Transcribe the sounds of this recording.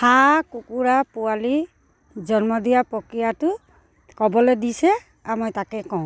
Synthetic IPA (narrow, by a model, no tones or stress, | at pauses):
hakukuɾapuali | d͡ʒɔnmɔd̪ijapɔkijatu | kɔbɔlɛdisɛ | amojtakɛkɔw̃